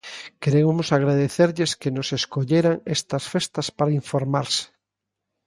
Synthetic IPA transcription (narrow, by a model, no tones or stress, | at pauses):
keɾemomosaɣɾaðeθeɾʎeskenoseskoʎeɾaŋest̪ɐsfest̪ɐspaɾaiɱfoɾmaɾse̥